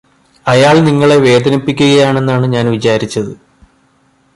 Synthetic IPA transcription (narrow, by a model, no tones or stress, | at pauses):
ɐjaːɭniŋːɐɭe̞ʋe̞ːd̪ɐnipːikʲːuɣɐjaːɳe̞nːaːɳɨɲaːnʋit͡ɕaːɾit͡ɕːɐðɨ